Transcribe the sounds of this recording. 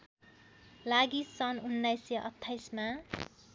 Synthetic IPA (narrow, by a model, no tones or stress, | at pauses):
laɡisʌnunːʌjsjʌʔʌ̰t̪ʰːajsma